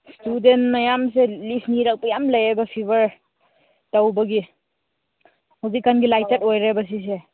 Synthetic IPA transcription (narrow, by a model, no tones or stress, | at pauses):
studentmajamselipʰniɾak̚pajamlajebɐpʰibɐɾ | tawbɐɡi | hozikanɡilajtetojɾebɐs̬is̬e